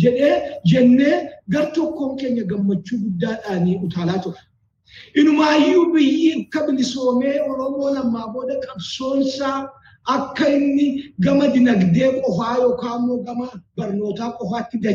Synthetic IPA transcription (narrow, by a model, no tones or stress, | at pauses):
d͡ʒɛᶑe̞ːd͡ʒɛnːe̞ːɡɐɾt̪ɔkːo̞ːŋke̞ːɲːɐɡɐmːɐt͡ʃːuːɡʊd̪ːaːᶑaːniːʔʊt̪aːlaːt̪ʊɾɐ̥ | ʔɪnʊmaːjːuːbɪjːiːkːɐbɪlɪsoːme̞ːwɐɾɐmːoːlɐmːaːbo̞ːd̪ɐkʼɐbso̞ːnsaː | ɐkːɐɪnːɪɡɐmɐd̪ɪnɐɡd̪e̞ːkʼɔfaːjoːkaːmːoːɡɐmɐbɐɾno̞ːt̪aːkʼɔfaːt̪ːɪd̪ɐ